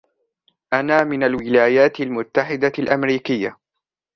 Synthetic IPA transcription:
ʔanaːmɪnalwɪlaːjaːt̪ɪlmʊt̪ːaħɪd̪alʔamɾiːkɪjːa

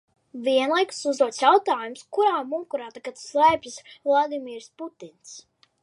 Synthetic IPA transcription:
vʲiɛnlˠajku̥suzd̪uɔt̪sjawt̪aːjumskuɾaːmuːkuɾaːt̪akat̪slɛjpʲisvlˠad̪imiːɾsput̪ins

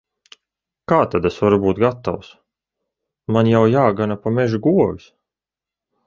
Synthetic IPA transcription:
kaːt̪ad̪esvaɾubuːt̪̚ɡat̪ːa̰ws | manjawjaːɡanapamɛʒuɡuɔvʲis

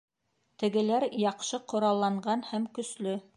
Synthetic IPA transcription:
t̪ɘ̆ɡɘ̆læɾjɑqʃɤqŏɾɑlˠːɑɴɢɑnhæmkɵ̆slɵ

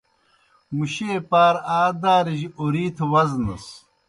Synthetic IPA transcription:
muɕeːpaːɾaːd̪aːɾiʑioɾiːt̪ʰwɐznɐ̰s

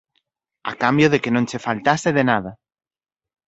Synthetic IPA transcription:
a̰kambjoð̞ekenõnsefalt̪aseðenaða

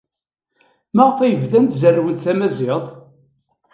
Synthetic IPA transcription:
mæʁfæjəvðænt̪zərːwəd̪θæmæzɪʁðˤ

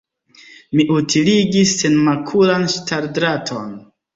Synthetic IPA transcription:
miʔutiliɡisːe̞nmakʰulanʃtaɾdɾatʰo̞n

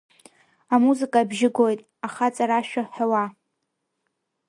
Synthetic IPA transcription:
amuzɨkʼabʒɪɡʷojtʼ | aχat͡sʼaɾaʃᶣaħawa

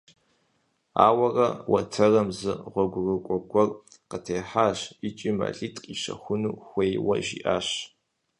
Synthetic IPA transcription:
a̰ːwɐrɐwɐtʰɐrɐmzɨʁʷɔɡʷʊrɨkʷʼɔkʷʼɔr | qətʰeːħaːʃit͡ʃʼima̰ːɬʼiːtʼqʼiʃɐ̰xʷʊnuːxʷejwɐ̰ʒḭːʔaːɕ

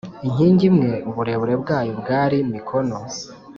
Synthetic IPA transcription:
iɲ̥iːɲɟimŋe̞buɾe̞βuɾe̞bɡaːjobɡaːɾimikʰono

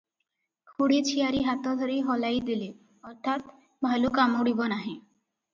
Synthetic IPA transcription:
kʰuɽit͡ɕʰijaɾiɦat̪ɔd̪ʱoɾiɦɔlajd̪ile | ɔɾt̪ʰat̪ | bʱalokamuɽibɔnaɦẽ

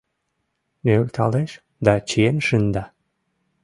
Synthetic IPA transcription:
nøølt̪ʰɑ̰leʃ | d̪ɑt͡ɕienʃɨnd̪ɑ

